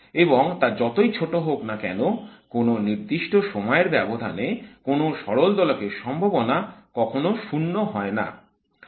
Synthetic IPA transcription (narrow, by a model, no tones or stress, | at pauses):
eboŋt̪aɾd͡ʑɔt̪ojt͡ɕʰoʈoɦoknakɛnokononiɾd̪iʃʈoʃɔmɔeɾbɛbod̪ʱa̰nekonoʃɔɾold̪ɔlokeʃɔmbʱobonakɔkʰonoʃunːoɦɔena̰